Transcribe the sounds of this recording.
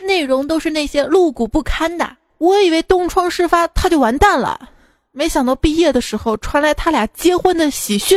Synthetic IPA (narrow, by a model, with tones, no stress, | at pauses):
ne˥˩ɪɻʊ˧˥ŋt̪o˥ʊʂɻ̩˥˧na˥˩ɪɕjɛ˥lu˥˩ku˨˩pu˥˩kʰa˥nd̪ə̰˨˩ | wɔ˧˥i˨˩we˥˩ɪt̪ʊ˥ŋʈ͡ʂʰwɑ˥ŋʂɻ̩˥˩fa˥t̪ʰa˥t͡ɕjo˥˩ʊwa˧˥nt̪a˥˩nlə̰˩ | me˧˥ɪɕjɑ˨˩ŋt̪ɑ˥˧ʊpi˥˧jɛ˥˩d̪ə˩ʂɻ̩˧˥xo˧ʊʈ͡ʂʰwa˧˥nla˧˥ɪt̪ʰa˥ljɑ˨˩t͡ɕjɛ˥xwə˥nd̪ə˨ɕi˨˩ɕy˥˩